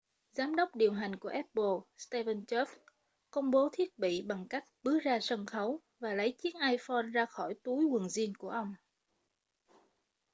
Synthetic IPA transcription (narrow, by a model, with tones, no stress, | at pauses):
zaː˨˦mɗə˦˥wk͡p̚ɗi˨˩əwɦa˨˩jŋ̟ku˧˩əʔɛ˦˥t̚ɓo˧˩st̪ɛ˧və˧nt͡ɕɛ˦˥f | kə˧wŋ͡mɓo˨˦t̪ʰi˦˥ət̚ɓḭ˧˨ɓa˨˩ŋka˦˥jk̟̚ɓɨ˨˦˥zaː˧sə˧nxə˨˦w | vaː˨˩lə˨˦jt͡ɕi˨˦ənʔaː˧jfɔ˧nzaː˧xɔ˧˩jt̪u˨˦jwə˨˩nzi˧ənku˧˩əʔə˧wŋ͡m